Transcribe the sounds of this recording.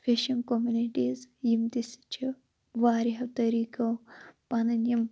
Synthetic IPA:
fʰeʃɐnkomjuniʈiːzjimt̪ist͡ʃʰi | ʋaːɾiɦɐt̪ɐɾiːkɐwpɐnɐnjɐm

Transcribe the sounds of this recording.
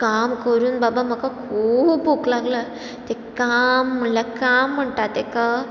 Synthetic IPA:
kamkəɾuːnbabaməkakʰubbuklaɡla | t̪ekam̤ːəɳlakam̤ːəɳʈat̪eka

